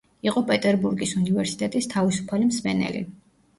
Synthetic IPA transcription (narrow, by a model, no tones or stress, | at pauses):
iqʼɔpʼɛt̪ʼɛɾbuɾɡisunivɛɾsi̥t̪ʼɛt̪ʼist̪ʰavisu̥pʰalimsmɛnɛ̰lḭ